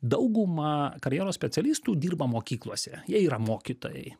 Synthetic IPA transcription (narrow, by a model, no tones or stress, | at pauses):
d̪ɐʊɡʊmɐkɐɾʲjeːɾoːssʲpʲɛt̪sʲɛlʲiːst̪uːd̪ʲiːɾbɐmoːkʲiːklˠuɔsʲɛjiɛiːɾɐmoːkʲit̪o̰ːjɛ̰ɪ